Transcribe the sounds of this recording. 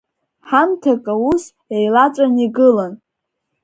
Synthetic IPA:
ħamtʰakʼaus | ejlat͡ʃʷʼaniɡɨlan

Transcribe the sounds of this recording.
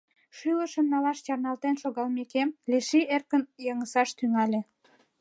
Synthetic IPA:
ʃyləʃənnɑlɑʃt͡ɕɑrnɑlt̪enʃoɣɑlmekemleʃierkənjɑŋəsɑʃt̪yŋɑlʲe

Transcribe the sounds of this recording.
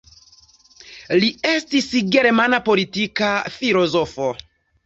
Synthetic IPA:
lie̞stisɡe̞ɾmanapo̞litikafilo̞zofo

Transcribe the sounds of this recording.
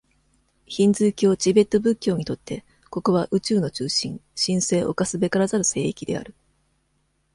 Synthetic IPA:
çĩnd͡zɨːkʲo̞ːt͡ɕibe̞t̪ːo̞bɯ̟kʲːo̞ːɲ̟it̪o̞t̪ːe̞ | ko̞ko̞βaʔɯ̟t͡ɕɨːno̞t͡ɕɨːɕĩŋɕĩɰ̃se̞ːʔo̞̰kasɨbe̞kaɾazaɾɯ̟se̞ːikʲid̪e̞̰a̰ɾɯ̟

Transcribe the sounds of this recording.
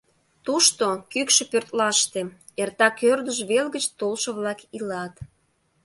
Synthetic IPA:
t̪uʃt̪okykʃĕpørt̪lɑʃt̪e | ert̪ɑkørd̪əʒβelɣət͡ɕt̪olʃə̆βlɑkilɑt̪

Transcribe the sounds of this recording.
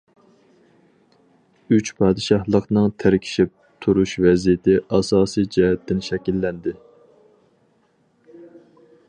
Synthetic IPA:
yt͡ʃpʰɑːd̪ɨʃɑhlˠəqnɨŋt̪ʰæɾkʲʰi̥ʃip̚t̪ʰuɾuʃvɛzijɪt̪ʰɪʔɑsɑːsijd͡ʒɛɦɛt̪ʰːɪnʃɛkʲilːɛnd̪ɪ

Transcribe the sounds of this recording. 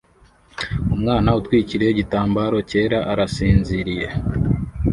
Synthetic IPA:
umŋaːnautwiːciɾeɟitaːmbaːɾo̞ce̞ːɾaʔaɾasiːnziɾije̞

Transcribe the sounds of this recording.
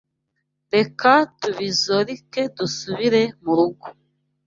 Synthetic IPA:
ɾekatuβizoɾikedusuβiɾemuɾuɡu̥

